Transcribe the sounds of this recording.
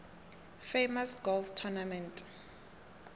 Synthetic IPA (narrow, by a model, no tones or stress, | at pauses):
fejmasɡolftʰɔnamɛ̃ntʼ